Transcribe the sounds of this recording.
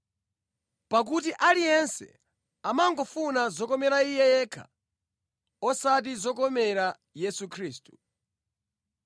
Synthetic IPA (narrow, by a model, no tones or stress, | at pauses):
pak̬ut̬iʔalijɛnsɛ̰ | amaŋɡɔfunazɔkɔmɛɾaijɛjɛːkʰa̰ | ɔsat̬izɔkɔmɛɾa | jɛsukʰɾiːstu̥